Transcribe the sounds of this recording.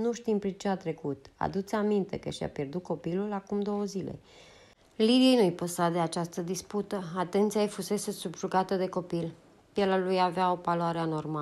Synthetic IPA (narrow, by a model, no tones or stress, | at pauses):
nuʃt̪impɾit͡ʃeat̪ɾe̞kut̪a̰d̪ut̪samint̪e̞̰kəʃja̰pje̞rd̪ut̪̚ko̞pilulakumd̪o̞wəzile̞̰ | lid̪iejnuijpəsad̪e̞at͡ʃast̪əd̪isput̪əat̪e̞nt̪sijajfuse̞se̞subʒuɡat̪əd̪e̞ko̞pil | pjelalujaveao̞paloaɾeano̞rma